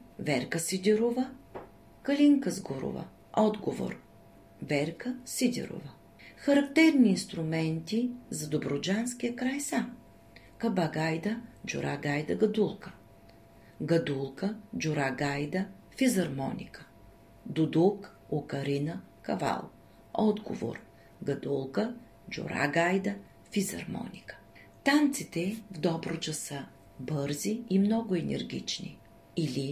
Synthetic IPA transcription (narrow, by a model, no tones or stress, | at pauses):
vɛɾkəsid̪ʲɛɾovə | kɐlʲiŋkəzɡoɾo̰və̰ | ɔd̪ɡovo̰ɾ | vɛɾkəsid̪ʲɛ̰ɾo̰və | xɐɾɐkt̪ɛɾniːnst̪ɾʊmɛnt̪izɐd̪obɾod͡ʒanskijəkɾajsam | kɐbaɡajd̪əd͡ʒʊ̰ɾʔa̰ɡajd̪əɡɐd̪ulˠkə̥ | ɡɐd̪ulˠkəd͡ʒʊɾaɡajd̪ə | fizɐɾmɔ̰nʲḭkə̥ | d̪ʊd̪uk | okɐɾinə | kɐva̰lˠ | ɔd̪ɡo̰vo̰ɾ | ɡɐd̪ulˠkə | d͡ʒʊ̰ɾa̰ɡajd̪ə | fizɐ̰ɾmɔ̰nʲikə̥ | t̪ant̪sit̪ɛvd̪ɔbɾot͡ʃəsə | bɤɾziimnɔɡʊɛnɛ̰ɾɡʲḭt͡ʃnḭ | ilʲi